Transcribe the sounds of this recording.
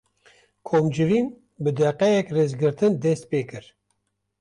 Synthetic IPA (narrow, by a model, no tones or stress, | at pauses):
kʰoːmd͡ʒɨɾiːn | bɨd̪ɛqɛjɛkreːzɡɨɾt̪ɨnd̪ɛst̪̚peːkɨɾ